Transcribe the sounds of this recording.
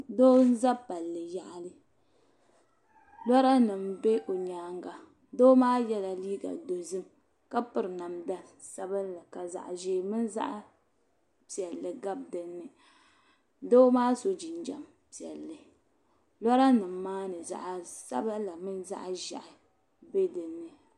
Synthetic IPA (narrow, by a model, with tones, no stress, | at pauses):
do˦n˦za˦pa˨lːɨ˨ja˨ʔlɨ˦ | lɔ˦ɾa˦nɨ˨mbe˦ʔo˨ɲaː˨˦ŋɡa˨ | doː˦maː˦jɛ˦la˨liː˦ɡa̰˨do˨zɨ˦m | ka˦pɨ˨ɾɨ˨na˨mda˦sa˦bɨ˦nla˨ka˨za̰˨ʔʒeː˦mɨ˦nza̰˦ʔ | pi˨ɛ˨lːɨ˨ɡa˦b̚dɨ˨nːɨ˨ | doː˦maː˦so˨d͡ʒi˨n˦d͡ʒa̰˨m | pi˨ɛ˨lːɨ˨ | lɔ˦ɾa˦nɨ˨mːaː˦nɨ˨za̰˦˨ʔsa̰˦ba˦la˨mɨ˦nza̰˦ʔʒa̰˨ʔa˨ | be˦dɨ˨nːɨ˨